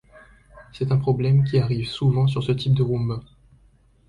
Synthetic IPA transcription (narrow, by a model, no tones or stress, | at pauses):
sɛt̪ɛ̃pχɔblɛmk̬ʲiaʁivsuvɑ̃syʁsət̪ʰip̚d̪əʁũməʁ